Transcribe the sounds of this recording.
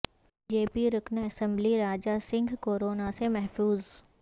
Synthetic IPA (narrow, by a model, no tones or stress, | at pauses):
d͡ʒeːpiɾʊkʰneɐsə̃mbliɾaːd͡ʒasɪ̃ŋɡʱkoːɾoːnasemɛɦfuːz